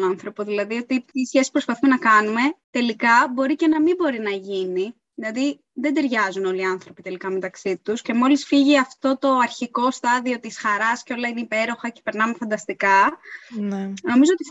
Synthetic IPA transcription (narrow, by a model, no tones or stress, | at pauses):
nɐnθɾo̞poðilɐðio̞t̪iisçesi̥pɾo̞spɐθumenɐkɐnume̞t̪e̞likɐbo̞ɾice̞nɐmibo̞ɾinɐʝini | ðilɐði | ðe̞d̪e̞ɾʝɐzuno̞liɐnθɾo̞pit̪e̞likɐme̞t̪ɐksit̪usce̞mo̞lisfiʝiɐft̪o̞t̪o̞ɐɾçiko̞st̪ɐðio̞t̪isxɐɾɐsceo̞lɐineipe̞ɾo̞xɐce̥pe̞ɾnɐme̞fɐnd̪ɐst̪ikɐnno̞mizoot̪i